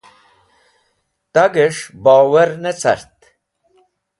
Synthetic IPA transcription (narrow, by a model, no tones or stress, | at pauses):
t̪aɡeʂbaːwɐɾnet͡sɐ̰ɾt̪